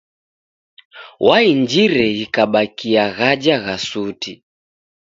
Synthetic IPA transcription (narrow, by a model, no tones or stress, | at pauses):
wʔaind͡ʒiɾɛikaɓakiaɣad͡ʒaɣasuti